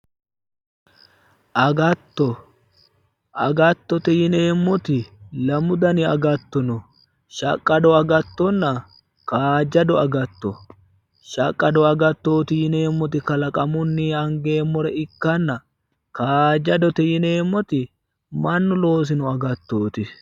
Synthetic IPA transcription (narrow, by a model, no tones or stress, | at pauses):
ʔɐɡɐt̪ːɔ | ʔɐɡɐt̪ːɔt̪ɛjɪne̞ːmːɔt̪ɪlɐmʊd̪ɐnɪɐ̰ɡɐt̪ːɔnɔ | ʃɐ̰kʼːɐd̪ɔɐɡɐt̪ːɔnːɐ | kaːd͡ʒɐd̪ɔɐɡɐt̪ːɔ | ʃɐkʼːɐd̪ɔɐɡɐt̪ːoːt̪ɪjɪne̞ːmːɔt̪ɪkɐlɐkʼɐmʊnːiːɐŋɡe̞ːmːɔɾɛɪkːɐnːɐ | kaːd͡ʒɐd̪ɔt̪ɛjɪne̞ːmːɔt̪ɪ | mɐnːʊlo̞ːs̬ɪnʊɐɡɐt̪ːoːt̪ɪ